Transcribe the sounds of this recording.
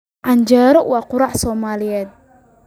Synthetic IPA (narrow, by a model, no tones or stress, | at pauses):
ʕɑnd͡ʒaːɾɔwɑːqʊɾɑħsɔːmaːlɪjɛːd̪̚